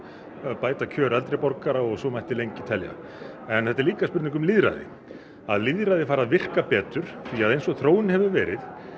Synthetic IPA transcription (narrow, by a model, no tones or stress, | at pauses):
apaːjt̪acʰœːɾalt̪ɾejpɔɾkaɾaɔɣsɔmajht̪ɪlejɲcɪt̪ʰɛlja̰ | ɛnθɛht̪̬ːɛɾliːkaspʏɾt̪niŋkʏmliðɾa̰ðɪ̰ | aðliðɾaðɪfaːɾaðvɪr̥kapɛːt̪ʏɾ̥θiaðejnsɔɣθɾoːwɪnhɛvʏvɛːɾɪ̰ð